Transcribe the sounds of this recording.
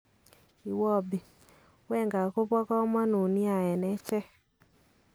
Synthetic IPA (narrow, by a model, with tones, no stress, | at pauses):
i˨wɔ˦˨bi˨ | wɛ˦ŋɡa˨ko˦βɔ˦kɔ˦mɔ˦no˨ni˦a˨jɛ˨nɛ˦t͡ʃɛ˦